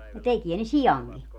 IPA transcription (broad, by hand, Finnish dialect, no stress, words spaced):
no tekie ne sijɑŋki